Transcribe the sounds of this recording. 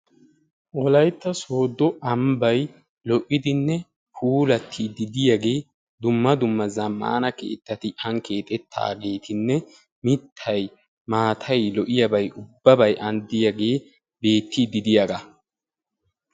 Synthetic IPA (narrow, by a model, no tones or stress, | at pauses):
ʔɔlɐjt̪ːɐso̞ːd̪ːɔɐmbɐj | lɔʔɪd̪ɪnːɛ | pʰuːlɐt̪ʰːid̪ɪd̪ɪjɐɡe̞ː | d̪ʊmːɐd̪ʊmːɐzɐmːa̰ːnɐkḛːt̪ːɐt̪ɪʔɐŋke̞ːt̪ʼɛt̪ʰːa̰ːɡe̞ːt̪ʰɪnːɛ | mɪt̪ʰːɐj | maːt̪ʰɐjlɔʔɪjɐbɐjʔʊbːɐbɐjʔɐnd̪ɪjɐɡe̞ː | be̞ːt̪ːid̪ɪd̪ɪjɐɡɐ